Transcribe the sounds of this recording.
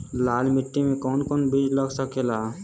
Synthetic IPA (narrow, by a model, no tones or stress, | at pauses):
laːlmɪʈːimẽkɔːnkɔːnbid͡ʒləɡsəkela